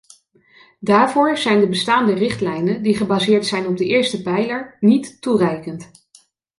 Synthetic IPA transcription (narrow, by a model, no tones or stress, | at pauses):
daːɹvʊːɹzɛjndəbəstaːndərɪχtlɛjnəndiχəbazɪːɹtsɛjnɔb̚dəɪːɹstəpɛjləɹnitːurɛjkənt